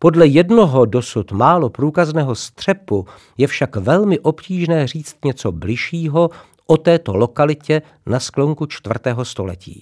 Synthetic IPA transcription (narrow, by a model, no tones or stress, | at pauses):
po̞dlɛjɛdno̞ɦo̞do̞sut̪maːlopɾuːkaznɛːɦo̞st̪r̝̥ɛpu | jɛfʃakvɛlmɪʔopciːʒnɛːr̝iːt͡st̪ɲɛt͡so̞blɪʃiːɦo̞ | ʔo̞t̪ɛːt̪olokalɪcɛ | nasklo̞ŋkut͡ʃt̪vr̩t̪ɛːɦo̞st̪o̞lɛ̰cḭː